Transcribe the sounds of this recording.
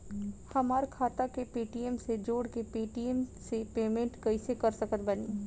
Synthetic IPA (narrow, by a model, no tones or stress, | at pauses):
hɐmaːɾkʰaːt̪akepiːʈiemsed͡ʒoːɽkepiːʈiemsepeːmẽɳʈkɐisekɐɾsɐkət̪̚bɐniː